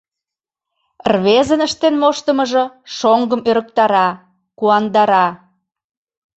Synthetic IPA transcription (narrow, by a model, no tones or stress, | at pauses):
rβezənəʃt̪enmoʃt̪əməʒɤ̆ʃoŋɡəmøɾək̚t̪ɑɾɑ | kuɑnd̪ɑɾɑ